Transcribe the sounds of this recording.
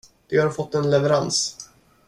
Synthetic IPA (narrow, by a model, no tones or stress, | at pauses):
d̪̥ɛhaɾfɔt̪ːɛnlɛvɛɾans